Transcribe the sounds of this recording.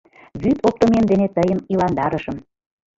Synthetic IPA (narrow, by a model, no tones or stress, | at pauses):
βyt̪ʰop̚t̪omemd̪enet̪əjəmilɑnd̪ɑɾəʃəm